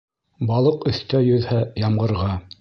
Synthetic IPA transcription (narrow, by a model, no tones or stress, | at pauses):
bɑlˠɤqɵ̆θt̪æjɵ̆ðhæjɑmʁɤ̆ɾʁɑ